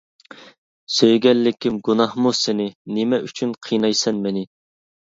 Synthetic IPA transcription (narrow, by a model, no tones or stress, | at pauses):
søjɡʲɛlːɪkʲʰːimɡunɑhmusɪnɪnɪmɛʔyt͡ʃʰynqʰijnɑjsɛnmɛnɪ